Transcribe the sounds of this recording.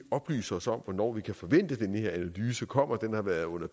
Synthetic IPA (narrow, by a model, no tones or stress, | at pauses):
ɒ̽b̥ly̰ːsɐɒ̽sɒ̽m̰ʋɒnɒ̰ːʋikʰæfɒ̽ʋen̰d̥əd̥enhe̝ɐ̰ænælyːsəkʰɒ̽m̰ɐd̥enhɑ̈ʋæɐðˠɔ̽n̰ɐ